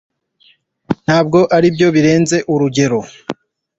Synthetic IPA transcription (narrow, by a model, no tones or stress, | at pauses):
n̥haːb̚ɡo̞ʔaɾibjo̞βiɾe̞ːnze̞ʔuɾuɟe̞ɾo̞